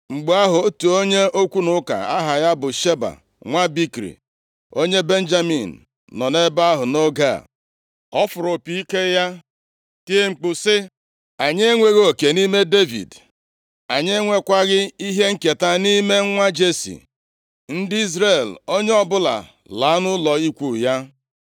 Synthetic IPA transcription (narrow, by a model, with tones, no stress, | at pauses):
ŋ͡m̩˨ɡ͡ba˦ɦʊ˨˦tu˨o˦ɲe˦o˦kʷu˦nʊ˦ka̰˨a˦ɦa˨ja˦bʊ˨ʃe˦ba̰˨ | ŋʷa˦bi˦kɾḭ˨ | o˦ɲe˦be˦n̩˦d͡ʒa˦mḭ˨n̩˨ | nɔ˨ne˦ba˦ɦʊ˨no˦ɡa̰˦˨ | ɔ˦fʊ˨ɾʊ˨pi˨i˦ke˦ja˦ | ti˦e˦ŋ͡m̩˨k͡pʊ˨sɪ˦ | a˨ɲe˦ŋʷe˨ɣoo˨ke˨ni˦me˦de˦vḭ˨d | a˨ɲe˦ŋʷe˦kʷa˦ɣɪ˦i˦ɦe˦ŋ̩˦ke˨ta˦ni˦me˦ŋ̩˦ŋʷa˦d͡ʒe˦sḭ˨ | n̩˦dɪ˦i˦zɾe˦˨lo˦ɲe˦ɔ˦bʊ˦la̰˨ | la˨˦nʊ˦lɔ˨i˦kʷu˦˨ja˦